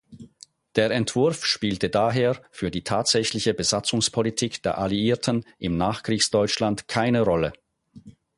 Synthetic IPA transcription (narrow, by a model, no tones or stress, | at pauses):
d̥eːɐɛntv̥ʊɐfʃpiːltədaːɦeːɐfyːɐdiːtʰaːtz̥ɛçlɪçəbəzat͡sʊŋspʰolitʰiːkd̥eːɐʔaliiːɐtʰənʔɪmnaːχkʁ̥iːçsd̥ɔʏt͡ʃlantkʰaɪnəʁɔlə